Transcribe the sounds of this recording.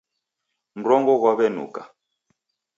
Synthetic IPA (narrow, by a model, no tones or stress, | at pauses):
m̩ɾɔŋɡɔɣwaβɛnṵka